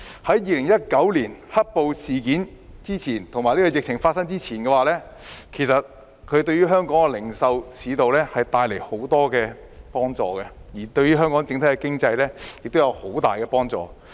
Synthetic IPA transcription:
hɐ˨˥jjiː˨˧lɪ˨˩ŋjɐ˥t̚kɐ˨˥wliː˨˩nhɐ˥t̚po˨˧wsiː˨kiː˨˥n | t͡siː˥t͡sʰiː˨˩nt̪ʰma˨jliː˥kɔ˧jɪ˨k̚t͡ɕʰɪ˨˩ŋfaː˧t̚sɐ˥ŋt͡siː˥t͡sʰiː˨˩nkɛː˧waː˨lɛː˥ | kʰe˨˩jsɐ˨t̚ | kʰɵ˨˧ɥt̪ɵ˧ɥyː˥ɦœː˥ŋkɔː˨˥ŋɛ˧lɪ˨˩ŋsɐ˧wsiː˨˧t̪o˨wlɛː˥hɐ˨jt̪aː˧jle˨˩jho˨˥wt̪ɔː˥kɛː˧ | pɔː˥ŋt͡sɔ̰ː˨kɛ˧jiː˨˩t̪ɵ˧ɥyː˥ɦœː˥ŋkɔː˨˥ŋt͡sɪ˧˥ŋt̪ʰɐ˨˥jkɛ˧kɪ˥ŋt͡sɐ˧jlɛː˥jɪ˨k̚t̪o˥wjɐ˨˧who˨˥wt̪aː˨jkɛ˧pɔː˥ŋt͡sɔ̰ː˨

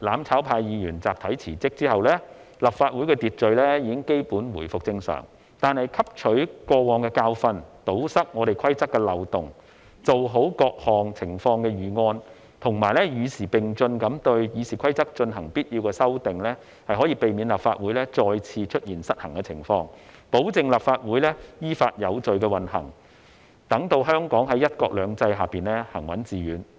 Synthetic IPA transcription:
laː˨˧mt͡sʰaː˨˥wpʰaː˧jjiː˨˧jyː˨˩nt͡saː˨p̚t̪ʰɐ˨˥jt͡sʰiː˨˩t͡sɪ˥k̚t͡siː˥ɦɐ˨wlɛː˥ | lɐ˨p̚faː˧t̚wu˨˥jkɛː˧t̪iː˨t̚t͡ʃɵ˨˧ɥlɛː˥jiː˨˧kɪ˥ŋke˥jpuː˨˥nwuː˨˩jfʊ˨k̚t͡sɪ˧ŋsœ̰ː˨˩ŋ | t̪aː˨nhɐ˨jkʰɐ˥p̚t͡ʃʰɵ˨˥ɥkɔː˧wɔː˨˧ŋkɛː˧kaː˧wfɐ˧nt̪o˨˥wsɐ˥k̚ŋɔː˨˧ɾe˨˩jkʰɐ˥jt͡sɐ˥kːɛː˧lɐ˨wt̪ʊ˨ŋ | t͡so˨wɦo˨˥wkɔː˧k̚hɔː˨ŋt͡sʰɪ˨˩ŋfɔː˧ŋkɛː˧jyː˨ŋɔː˧n | t̪ʰʊ˨˩ŋmaː˨˩jlɛː˥jyː˨˧siː˨˩pɪ˨ŋt͡sɵ˧nkɐ˨˥mt̪ɵ˧ɥjyː˨˧siː˨˩kʰɐ˥jt͡sɐ˥k̚t͡ʃɵ˧nɦɐ˨˩ŋpiː˥t̚jiː˧wkɛː˧sɐ˥wt̪ɪ˨ŋlɛː˥ | hɐ˨jhɦɔː˨˥jiː˧pe˨jmiː˨˧nlaː˨p̚fa̰ː˧t̚wuː˨˥jlɛː˥t͡ʃɔː˧jt͡sʰiː˧t͡ʃʰɵ˥t̚jiː˨˩nsɐ˥t̚hɐ˨˩ŋkɛ˧t͡sʰɪ̰˨˩ŋfɔː˧ŋpo˨˥wt͡sɪ˨ŋlaː˨˩p̚faː˧t̚wuː˨˥jlɛː˥jiː˥faː˧t̚jɐ˨˧wt͡sɵ˨ɥkɛː˧wɐ˨nhɐ̰˨˩ŋ | t̪ɐ˨˥ŋt̪o˧wɦœː˥ŋkɔː˨˥ŋɦɐ˨˥jɐ˥t̚kɔː˧k̚lœː˨˧ŋt͡sɐ˧jɦaː˨piː˨nlɛː˥hɐ˨˩ŋwɐ˨˥nt͡siː˨˧ɥyː˨˥n

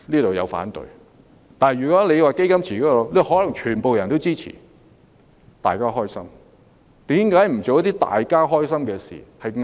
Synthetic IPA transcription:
liː˥t̪o˨wjɐ̰˨˧wfa̰ː˨˥nt̪ɵ̰˨j | t̪aː˨n˨jyː˨˩kɔː˨˥le˨˧jwaː˨˧ke˥jkɐ˥mt͡sʰiː˨˩kɔː˦˥lo˨˧le˥˨ɦɔː˨˥lɐ˨˩ŋt͡ʃʰyː˨˩npo˨wjɐ˨˩nt̪o˥wt͡siː˥t͡sʰḭː˨˩ | t̪a̰ː˨jkaː˥ɦɔː˥jsɐ̰˥m | t̪iː˨˥mkaː˨˥jm̩˨˩t͡so˨wjɐ˥t̪iː˥t̪a̰ː˨jkaː˥ɦɔː˥js̬ɐ˥mkɛː˧sḭː˨˩hɐ˨jŋ

